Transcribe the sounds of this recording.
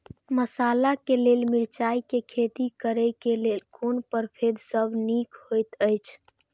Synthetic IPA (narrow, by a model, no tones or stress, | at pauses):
məsalakelelmiɾt͡ʃaikekʰet̪ikəɾəkelelkonpəɾpʰed̪ʱsəbʱnikhojt̪əjt͡ʃʰ